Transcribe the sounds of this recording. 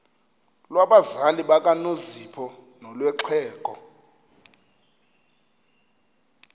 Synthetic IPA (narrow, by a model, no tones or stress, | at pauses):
lwaɓazaliɓakʼanozipʰɔ | nɔlwɛǁʰɛːkʼɔ